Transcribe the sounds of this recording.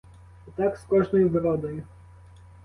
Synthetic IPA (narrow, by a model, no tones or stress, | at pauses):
t̪akskɔʐnɔjvɾɔd̪ɛj